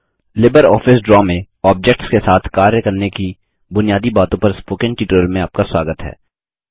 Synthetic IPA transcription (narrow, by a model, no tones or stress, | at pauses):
lɪbəɾɔ̰ːfɪsɖɾɔːmẽ | ɔːb̚d͡ʒɛk̚ʈskesaːt̪ʰkaːɾjəkɐɾneki | bʊnijaːd̪ibaːt̪õpɐɾspoːkɪ̃nʈiːʈəɾəlmẽaːp̚kaswaːɡət̪ɦɛ̰ː